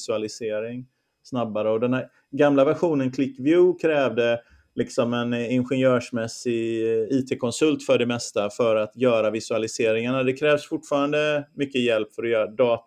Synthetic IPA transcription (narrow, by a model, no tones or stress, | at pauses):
sɵalɪseːɾɪŋ | snabːaɾəɔd̪ɛnhæɾ | ɡamlavæɾɧuːnənkʰlɪkːvjʉːkʰɾɛːvd̪ə | lɪksɔmɛnɪnɧɛnjœːʂmɛsɪiːt̪ʰeːkʰɔnsɵlt̪fœɖɛmɛst̪afœɾat̪jœːɾavɪsɵalɪseːɾɪŋaɳad̪ɛkʰɾɛːvsfʊʈːfɑːɾand̪əmʏkːəjɛlpfœɾɔjœːɾad̪ɑːt̪